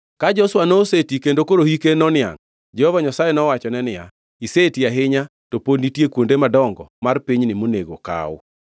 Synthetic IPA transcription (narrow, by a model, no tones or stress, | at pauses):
kad͡ʒɔswanoːsetikendokoɾohikenɔnɪa̰ŋ | d͡ʒɛhɔvaɲasajɛnɔwat͡ʃɔnɛnɪja̰ | isetiaɦɪɲa | topoditjekwondemadɔŋɡɔmarpiɲnɪmoneɡo̰ka̰ʊ̰